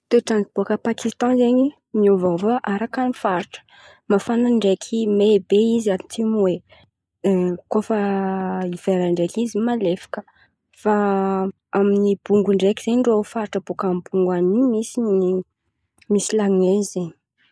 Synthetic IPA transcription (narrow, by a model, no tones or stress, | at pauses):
t̪eʈ͡ʂanib̥uakəpakʰist̪ɑ̃zeɲi | miovavaʔaɾakanifaɾʈ͡ʂə̥ | mafanaɳɖ͡ʐekʰimebeizanit̪ʰimuwe | kofə | iveɾaɳɖ͡ʐekizimalefḁkə̥ | fa | aminib̥uŋɡuɳɖ͡ʐekiz̥eɲɳɖ͡ʐofaɾʈ͡ʂəb̥ukambuŋɡwanimisini | misilaŋezeɲi̥